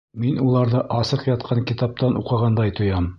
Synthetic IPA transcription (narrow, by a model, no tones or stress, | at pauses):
minulˠɑɾðɤʔɑsɤqjɑt̪̚qʰɑŋkit̪ɑp̚t̪ɑnʔuqɑ̆ʁɑnd̪ɑjt̪ʰŏjɑm